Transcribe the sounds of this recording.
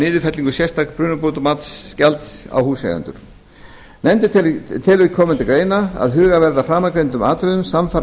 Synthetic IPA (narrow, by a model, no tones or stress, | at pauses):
nɪːðɪfɛt̪liŋkʏsjɛst̪akpɾʏːnʏpot̪ʏmat̪scalt̪sa̰whuːsḛja̰nt̪ʏ̰ɾ̥ | nɛmt̪ɪt̪ʰɪlʏkʰɔːmʏnt̪ɪkɾeːjnaa̰ðɦʏːɣavɛɾðafɾaːmakɾejnt̪ʏma̰ːt̪ɾʏðʏmsamfa